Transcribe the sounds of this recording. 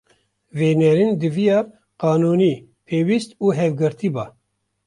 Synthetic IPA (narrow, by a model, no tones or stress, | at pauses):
veːnɛɾind̪ɨvijɑː | qɑːnuːniː | pʰeːwist̪uːɦɛvɡɨɾt̪iːbɑː